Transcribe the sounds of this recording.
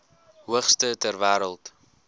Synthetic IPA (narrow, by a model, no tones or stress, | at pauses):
ɦuəχstətærvæːɾəlˠt